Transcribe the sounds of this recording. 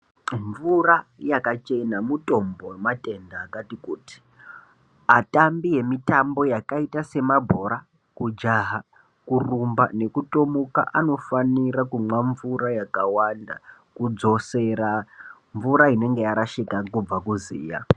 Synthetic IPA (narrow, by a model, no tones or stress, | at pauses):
ɱvurajakat͡ʃe̞namuto̞mbomate̞ndaːkatikuːti̥ | atambije̞mitambo̞jakaitase̞mabʱo̞ɾa | kud͡ʒaɦa | kurumba̰ne̞kuto̞muka̰ʔano̞faniɾakumwaɱvuɾajakawanda | kud͡zo̞se̞ɾa | ɱvuɾaine̞ŋɡe̞jaɾaʃikakub͡vakuzḭːja̰